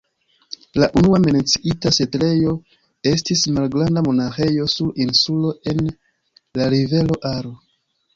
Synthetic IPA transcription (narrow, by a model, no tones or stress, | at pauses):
laʔunuamenet͡siʔitase̞tle̞jo̞ | e̞stismalɡɾandamo̞naxe̞jo̞suɾinsulo̞e̞n | laɾive̞lo̞ʔaɾo